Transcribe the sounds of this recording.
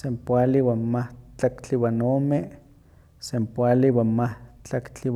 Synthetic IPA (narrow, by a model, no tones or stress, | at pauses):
sempwʷaliwanmaht͡ɬakt͡ɬiwanoːme | sempwaliwanmaht͡ɬakt͡ɬiw